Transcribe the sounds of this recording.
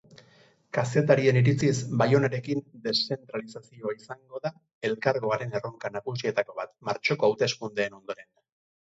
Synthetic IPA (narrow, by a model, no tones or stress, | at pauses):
kase̞t̪aɾie̞niɾit͡sisbajo̞naɾe̞kind̪e̞sːe̞nt̪ɾalisasio̞aisaŋɡo̞ða | e̞lkaɾɣo̞aɾe̞ne̞roŋkanaɣusie̞t̪ako̞βat̪maɾt͡ʃo̞ko̞awt̪e̞skund̪e̞ːno̞nd̪o̞ɾe̞n